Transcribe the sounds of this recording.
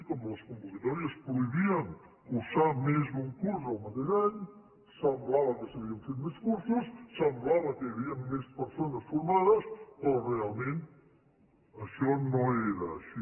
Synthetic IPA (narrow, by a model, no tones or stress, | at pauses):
kɔmləskumbokit̪ɔɾiəspɾuiβiɐŋ | kusamezβuŋkuɾsəlˠmat̪ezaɲ | samblaβəkəsəβiənfet̪̚d̪iskuɾsussːamblaβəkəjəβiəŋmespəɾsonəsfuɾmaðəspɾɔrealˠmẽnt̪ | əʃɔnoeɾəːʃi